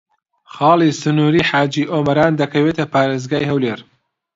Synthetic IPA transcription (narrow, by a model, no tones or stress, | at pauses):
xɑːlisɨnuːɾiːħaːd͡ʒiːʔoːmɐɾaːnd̪ɐkʰɐweːt̪ʰɐpaːɾeːzɡaːjhɐwleːɾ